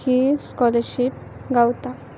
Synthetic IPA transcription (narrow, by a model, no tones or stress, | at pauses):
hiskɔləɾʃip | ɡawt̪a